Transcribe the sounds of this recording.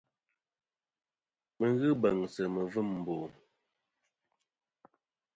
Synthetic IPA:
mə˨ɣɨ˦bə˨ŋsə˨mə˨vɨ˦˨mm̩˨bo˨

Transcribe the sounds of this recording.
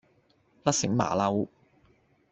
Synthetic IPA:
lɐ˥t̚sɪ˨˥ŋma̰ː˨˩lɐ˧w

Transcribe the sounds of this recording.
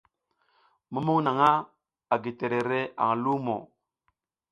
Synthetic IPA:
mu˦mu˦ŋna˨ŋa˦ | a˨ɡi˨te˨ɾe˨ɾe˦ʔa̰˨ŋ˨lu˦mo̰˨

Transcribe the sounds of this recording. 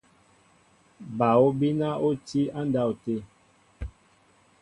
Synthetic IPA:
ba˨o˦bi˦na˦o˦ti˦a˦n˦da˦˨u˨te˦˨

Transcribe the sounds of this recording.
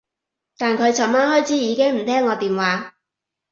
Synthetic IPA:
t̪aː˨nkʰɵ˨˧ɥt͡sʰɐ˨˩nmaː˥nhɔː˥jt͡sʰiː˨˥jiː˨˧kɪ˥ŋm̩˨˩t̪ʰɛː˥ŋːɔː˨˧t̪iː˨mwaː˨˧˥

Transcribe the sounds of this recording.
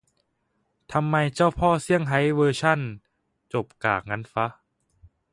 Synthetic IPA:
t̪ʰa˧mːa˧jt͡ɕa˥˩wpʰɔː˥˩si˥˩əŋɦa˨˦˥jwɤː˧t͡ɕʰa˥˩˨n | t͡ɕo˨˩p̚kaː˨˩k̚ŋa˧˥nfa˦˥

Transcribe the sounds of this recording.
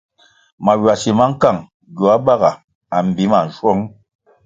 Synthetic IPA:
ma˨wwa˨si˨ma˦ŋ̩˦ka˦˨ŋ | ɡo˨a˦ba˦ɣa˨ | a˨m˨bi˨˦ma˨n̩˨ʃwɔ˦ŋ

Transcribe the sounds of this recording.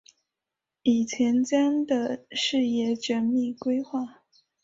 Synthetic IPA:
i˨˩t͡ɕʰjɛ˧˥nt͡ɕja˥nd̪ə˨ʂɻ̩˥˧jɛ˥˩ʈ͡ʂə˧˥nmi˥˩kwe˥ɪxwa˥˩

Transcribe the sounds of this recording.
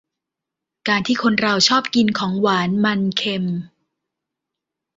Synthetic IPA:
kaː˧nt̪ʰiː˥˩kʰo˧nɾa˧wt͡ɕʰɔː˥˩p̚ki˧nkʰɔː˩˦ŋwaː˩˦nma˧nkʰe˧m

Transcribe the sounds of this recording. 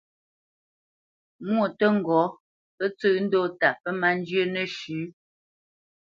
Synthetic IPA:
mwo˨tə˦ŋ̩˨ɡɔ˨˦ | pə˦t͡sə˦ʔn̩˦do˦ta˨pə˦ma˦n˦d͡ʒjə˦nə˦˨ʃʉ˨˦

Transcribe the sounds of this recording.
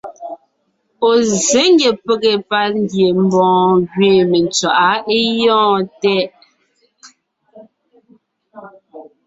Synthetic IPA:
o˨ze˨˦ŋ˦ɡe˨pe˦ɣe˨pa˦ɾŋ˦ɡje˨m̩˦bɔ̃ː˨˦ɣɥeː˦˨me˨nt͡swa˨ʔa˦e˦jɔ̃ː˦˨tɛ˦ʔ

